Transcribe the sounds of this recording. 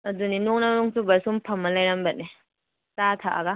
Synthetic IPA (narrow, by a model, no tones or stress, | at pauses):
ɐduninoŋnanɔŋsubɐsumpʰɐmːɐlajɾambɐt̚ne | tatʰaʔa̰ɡa